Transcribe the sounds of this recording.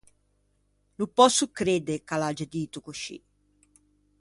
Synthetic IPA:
lupɔsukɾed̪ekalad͡ʒad̪iːt̪ukuʃḭ

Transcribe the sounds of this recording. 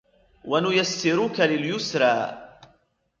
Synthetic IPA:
wanʊjasːɪɾukalɪljʊsɾˤɑː

